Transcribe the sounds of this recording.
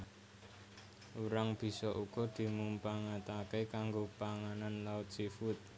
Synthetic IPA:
ʔuɾaŋb̥i̤sɔʔuɡ̥ɔ̤d̪̥i̤mumpaŋat̪akekaŋɡopaŋananlaʊt̪̚sifʊt̪̚

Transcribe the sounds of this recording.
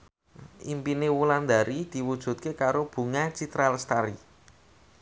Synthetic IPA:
ʔimpinewuland̪a̤ɾid̪̥i̤wud̥ʒ̥ṳt̪̚kekaɾob̥ṳŋat͡ʃit̪ɾalst̪aɾi

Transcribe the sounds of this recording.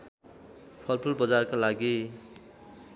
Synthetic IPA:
pʰʌlpʰʌlbʌd͡zarkalaɡi

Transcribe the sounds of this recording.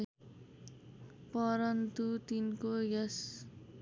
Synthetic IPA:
pʌɾʌnt̪ut̪inkojʌs

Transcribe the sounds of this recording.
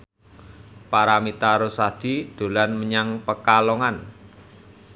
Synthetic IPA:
paɾamit̪aɾosad̪̥i̤d̪̥o̤lanməɲaŋpəkalɔŋan

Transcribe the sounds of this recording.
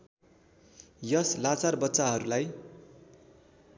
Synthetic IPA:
jʌslat͡sarbʌtːsaɦʌɾulaj

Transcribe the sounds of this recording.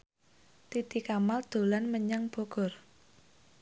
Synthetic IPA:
t̪id̪̥i̤kamald̪̥o̤lanməɲaŋb̥ɔ̤ɡ̥ɔ̤r

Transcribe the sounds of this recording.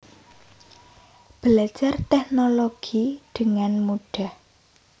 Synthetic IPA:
b̥əlḁd͡ʒart̪ɛhnoloɡ̥iɖ̥əŋanmuɖ̥a̤h

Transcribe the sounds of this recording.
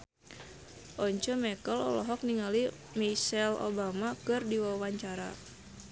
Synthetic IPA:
ʔɔɲt͡ʃɔmɛkəlɔ̰lɔɦɔk̚niŋali | misɛlo̰bamakɨrdiwawaɲt͡ʃaɾa̰

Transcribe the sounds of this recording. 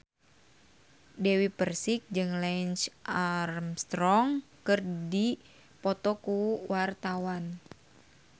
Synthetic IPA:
dɛwipərsik̚d͡ʒɨŋlɛnt͡ʃʔarmst̪ɾɔŋkɨrdi | pɔt̪ɔkuwart̪awan

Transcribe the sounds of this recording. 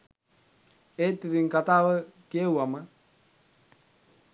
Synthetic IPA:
et̪ːid̪iŋkat̪aːʋəkiəwamə

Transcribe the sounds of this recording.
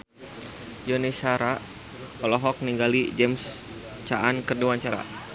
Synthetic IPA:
jɔnisaɾa | ɔlɔɦɔk̚niŋɡalid͡ʒɛms | t͡ʃaʔankərduaɲt͡ʃaɾa̰

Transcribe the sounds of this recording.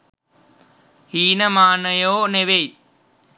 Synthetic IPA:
hiːnɐmaːnɐjoːneʋej

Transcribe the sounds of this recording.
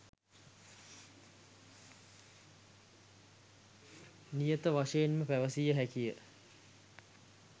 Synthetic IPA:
nijət̪əʋaʂejenməpæʋəsijəɦækijə

